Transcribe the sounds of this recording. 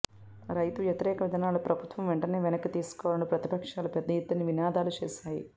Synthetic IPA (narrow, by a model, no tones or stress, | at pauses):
ɾɐjt̪uʋjɐt̪iɾɛːkɐʋid̪ʱɐnaːlupɾɐbʱut̪ʋɐmʋeɳʈɐneːʋɛnɐkːit̪iːsu̥kɔːʋɽɐnupɾɐt̪i̥pɐkʂaːlɐpɛd̪ːɐjit̪ːɐniʋinaːd̪aːlut͡ʃeːʃaːji